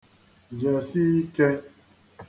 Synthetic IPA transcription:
d͡ʒa˨si˦i˦ke˦

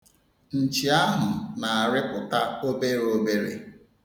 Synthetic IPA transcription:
n̩˨t͡ʃi˨a˦ɦʊ˨na˨a˨ɾɪ˦kʊ˨ta˦o˦be˦ɾo˦be˦ɾḛ˨

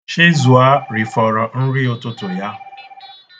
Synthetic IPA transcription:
ʃɪ˦zu˨a˦ɾi˨fɔ˨ɾɔ˨n̩˦ɾi˦o˨tʊ˦tʊ˨ja˦

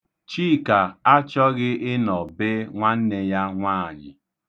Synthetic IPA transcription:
t͡ʃiː˦˨ka˨a˦t͡ʃɔ˦ɣɪ˦ʔɪ˦nɔ˨be˦ŋʷa˦n̩˦ne˦ja˦ŋʷaː˦˨ɲɪ̰˨

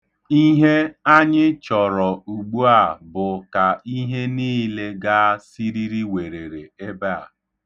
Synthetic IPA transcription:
i˦ɦe˦a˦ɲɪ˦t͡ʃɔ˨ɾɔ˨u˨ɡ͡bu˦a˦˨bʊ˨ka˨i˦ɦe˦niː˦le˦ɡa˦si˦ɾi˦ɾi˦we˨ɾe˨ɾe˨e˦ba˦a̰˨

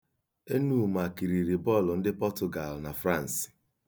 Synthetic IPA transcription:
e˦nu˦˨ma˨ki˨ɾi˨ɾi˨bɔ˦˨lɔ˨n̩˦dɪ˦pɔ˦tʊ˨ɡa˨lna˨fɾa˦˨n̩˨s

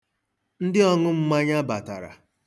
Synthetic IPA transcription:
n̩˦dɪ˦ɔ˦ŋʊ˦m̩˦ma˦ɲa˦ba˨ta̰˨ɾa̰˨

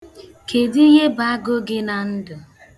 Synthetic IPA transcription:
kʰe˨di˦ɣe˦ba˨a˦ɡʊ˦ɡɪ˦na˨n̩˦dʊ˨

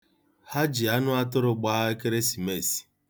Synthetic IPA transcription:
ha˦d͡ʒi˨a˦nʊ˦a˦tʊ˦ɾʊ˨ɡ͡ba˦e˦ke˦ɾe˦si˨me˦˨si̥˨

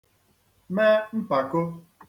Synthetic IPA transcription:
me˦m̩˦pa˨ko˦

